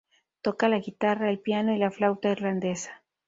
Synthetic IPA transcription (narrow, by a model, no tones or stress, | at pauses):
t̪o̞kalaɣit̪araelpjano̞ilaflawt̪aiɾland̪e̞sḁ